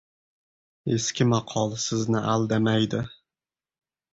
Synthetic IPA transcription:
e̞skʲʰɪmɑqʰɒlˠsɪznɪʔald̪amajd̪ɪ

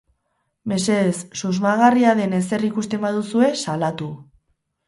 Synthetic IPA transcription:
me̞se̞ðesːuzmaɣ̞ariaðe̞ne̞s̬e̞rikust̪e̞mbaðusue̞salat̪u

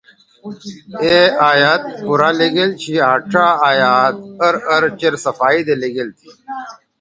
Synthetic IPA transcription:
eaːjaːt̪̚puɾaːleɡelt͡ɕʰiaːʈʰaːaːjaːt̪̚ɐɾɐɾt͡ɕɐɾsɐfaːid̪eleɡelt̪ʰi̥

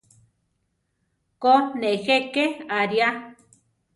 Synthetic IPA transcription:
konexekeaɾja

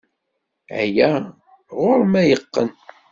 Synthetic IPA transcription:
æ̰jæ | ʁʊɾmæjəqːən

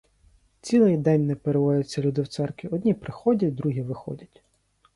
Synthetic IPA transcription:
t͡sʲilˠɪjd̪ɛnʲnɛpeɾeʋɔjʲɐt͡sʲːɐlʲud̪ɪwt̪sɛrkʋʲiɔd̪ʲnʲipɾɪxɔdʲɐtʲd̪ɾuɦʲiʋɪxɔ̰dʲɐtʲ

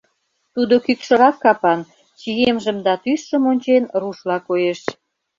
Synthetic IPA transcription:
t̪ud̪okykʃə̆ɾɑkːɑpɑn | t͡ɕijemʒəmd̪ɑt̪yʃːə̆monʲt͡ɕenruʃlɑkojeʃ

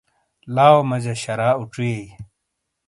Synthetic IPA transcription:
laːwomɐd͡ʑɐɕɐɾaːuʈ͡ʂujej

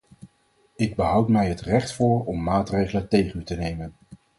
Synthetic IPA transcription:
ɪɡ̚bəɦʌwtmɛjɦətrɛχtfʊːɹɔmːaːtrejχələntejχənytənejmən

